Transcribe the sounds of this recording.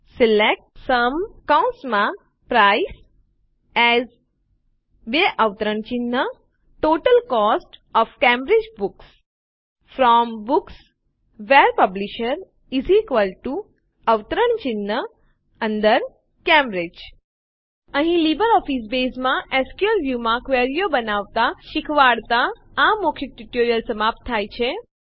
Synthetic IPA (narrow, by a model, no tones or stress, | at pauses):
silek̚ʈsɐmkãʊ̃nsmã | pɾaɪs | ɛz | ʋeʔaʋt̪əɾəɳt͡ʃinːə | ʈoːʈəlkɔːsʈɔfkɛ̃mbɾɪd͡ʒbuks | fɾɔːmbuks | ʋeɾpɐbliʃəɾ | izikʋəlʈu | əʋt̪əɾəɳt͡ʃɪnːə | ənd̪əɾ | kɛ̃mbɾed͡ʒ | əɦĩlibəɾɔfis̬besmãʔɛskjuəɾʋjumãkʋeɾijobənaʋt̪aʃɪkʰʋaɽt̪aː | mokʰiʈuʈoɾijəlsəmap̚t̪ʰːajt͡ʃʰe